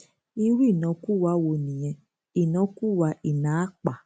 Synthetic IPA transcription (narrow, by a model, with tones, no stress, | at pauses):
i˧˦wu˦i˦˨nã˧ku˦˨wa˧˦wo˧nĩ˨j̃ɛ̃˧ | i˨nã˧˦ku˦wa˧ʔi˨nã˨˦k͡pa˨